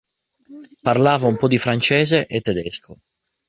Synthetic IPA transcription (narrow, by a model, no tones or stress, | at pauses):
parlaːvaumpɔd̪ifɾant͡ʃɛːzeʔet̪ːɛd̪ɛskʰo